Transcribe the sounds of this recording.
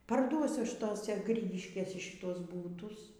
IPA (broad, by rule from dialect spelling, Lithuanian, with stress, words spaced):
pɐrˈduɔsʲʊ ˈɐʃ ˈtoːsʲɛ ˈɡrʲiːɡʲɪʃʲkʲeːsʲɛ ʃʲɪˈtuɔs ˈbuːtʊs